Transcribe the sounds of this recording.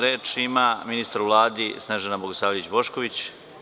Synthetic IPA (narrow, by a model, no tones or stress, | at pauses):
ɾeːt͡ʃimaminist̪aɾuʋlˠaːd̪isneʒenaboɡoslaːʋiit͡ɕbo̞ʃko̞ʋit͡ɕ